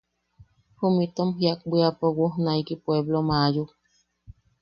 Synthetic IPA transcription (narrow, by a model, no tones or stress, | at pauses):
humit̪omɦiak̚biapowuhnaikipweblomaju